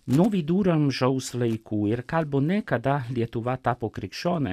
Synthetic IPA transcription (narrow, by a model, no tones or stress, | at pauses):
nɔːʋid̪uːɾamʒawslɛjkʰujɛɾkalbonɛkad̪aljɛt̪uʋat̪apɔkɾikʃɔːnɛ